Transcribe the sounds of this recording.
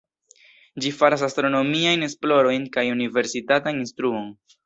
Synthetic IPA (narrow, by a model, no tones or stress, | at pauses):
d͡ʒifaɾas̬astɾo̞no̞miajne̞splo̞ɾo̞jnkajunive̞ɾsitataninstɾuo̞n